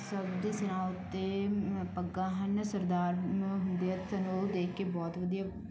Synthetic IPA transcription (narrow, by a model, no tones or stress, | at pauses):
səbd̪sɪnãːʊt̪ːepəɡːãːɦənsəɾd̪aːɾɦʊnd̪eɛt̪ənod̪eːkʰːeːbɔːt̪ʋəd̪ijaː